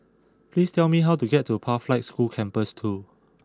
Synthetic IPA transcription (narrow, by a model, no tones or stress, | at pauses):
plistʰɛlmiɦawtuɡɛtːupʰaflaɪt̚skulkʰɛ̃mpəstʰu